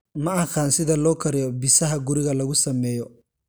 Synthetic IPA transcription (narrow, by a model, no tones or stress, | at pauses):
mɐɐxaːnsɪðɐlɔːkʰɐɾɪjɔbɪsɐɦɐɡʊɾɪɣɐlɐɣʊsɐmɛːjɔ